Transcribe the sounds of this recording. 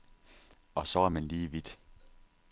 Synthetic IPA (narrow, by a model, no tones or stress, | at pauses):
ɒ̽sɒ̽æɐmænliːʋid̥